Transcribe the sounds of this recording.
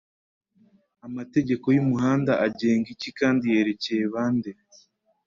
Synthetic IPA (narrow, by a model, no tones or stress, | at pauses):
amate̞ɟe̞ko̞jumuhaːndaʔaɟeːŋɡicikaːndije̞ːɾe̞cejeβaːnde